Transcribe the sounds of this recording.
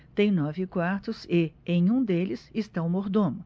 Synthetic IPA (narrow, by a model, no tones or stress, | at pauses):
t̪ẽj̃nɔvɪkwaɾt̪ʊsɪẽj̃ũd̪elɪsɪst̪aʊmoɾd̪õmʊ